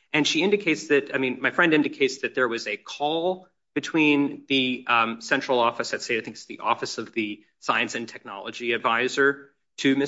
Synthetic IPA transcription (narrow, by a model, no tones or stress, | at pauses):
ʔɨ̃nʃiɪ̃ndɨkʰeɪtsðɨtaɪmĩnmaɪfɹɛ̃ndɪ̃ndɨkʰeɪtsðɨt̪̚ðə˞wʌzɨkʰɔlˠ | b̥ɨtʰw̥ĩnðɨsɛ̃nt͡ʃɹ̥l̩ˠɔfɨsɨtseɪaɪθɪ̃ŋkɨ̥sðḭʔɔ̰fɨsʌvðɨ | saɪɨ̃nsɨ̃ntʰɛk̚nɑ̰lˠə̰d͡ʒiɨdvaɪzə˞ | ɾʰɨmɪ